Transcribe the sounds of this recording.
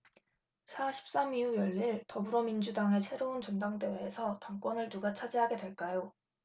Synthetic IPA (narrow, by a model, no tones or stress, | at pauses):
sʰaɕʰi̥p̚s͈amiujʌʎːiɭtʌbuɾʌmind͡ʑudaŋe̞sʰe̞ɾount͡ɕʌndaŋde̞weːsʰʌtaŋk͈wʌnɯɭnuɡat͡ɕʰad͡ʑiɦaɡe̞dwe̞ɭk͈ajo